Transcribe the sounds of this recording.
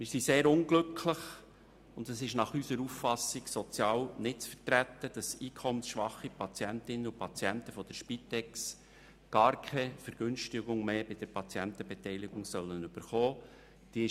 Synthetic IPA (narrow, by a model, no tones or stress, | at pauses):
mɪːɾsiseːɾʊŋɡ̥lɵkʰləχ | ʊndəsɪʃnɑχysəɾuffɑsɪɡ̥sɔt͡sjɑːlnɪtt͡sfəɾtɾæt̪ːəd̥ɑsiːkʰɔmənsʃʋɑχːipʰɑt͡sjæntɪnːəupʰɑt͡siæntəfɔd̥̪əɾʃpit̪ɛks | ɡ̥ɑːɾkʰɛfəɾɡ̥ʏnʃtɪɡʊŋmeːbɪd̥əɾpʰɑt͡sjænt̪əbɛtɛjlɪɡ̥ʊŋsœlːənʏb̥əɾχɔː | d̥iəɪ